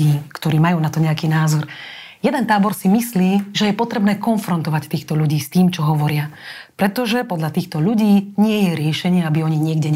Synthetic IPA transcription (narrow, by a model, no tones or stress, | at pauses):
iːkt̪ɔɾiːmajuːnat̪ɔɲɛakiːnaːzɔɾ | jɛd̪ɛnt̪aːbɔɾsimisliːʒɛjɛpɔt̪ɾɛbnɛːkɔnfɾɔnt̪ɔʋact̪iːxt̪ɔʎuɟiːst̪iːmt͡ʃɔɦɔʋɔɾɪa | pɾɛt̪ɔʒɛpɔd̪lʎat̪iːxt̪ɔʎuɟiːɲɪɛjɛɾɪɛʃɛɲɪɛabiɔɲiɲɪɛɡɟɛɲ